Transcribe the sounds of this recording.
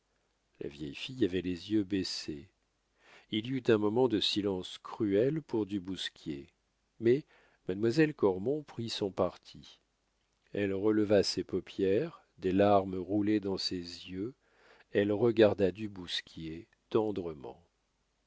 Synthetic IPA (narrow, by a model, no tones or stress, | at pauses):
lʔa̰vjɛjfijavɛlezjøbese | ilyt̪ɛ̃mɔmɑ̃d̪əsilɑ̃skχyɛlpuʁd̪ybuskʲjḛ | mɛ | mad̪mwazɛlkɔʁmɔ̃pχisɔ̃paʁt̪ʰi | ɛlʁələvasepɔpjɛʁ | d̪elaʁmʁuled̪ɑ̃sezjø | ɛlʁəɡaʁd̪ad̪ybuskʲje | t̪ɑ̃d̪ʁəmɑ̰̃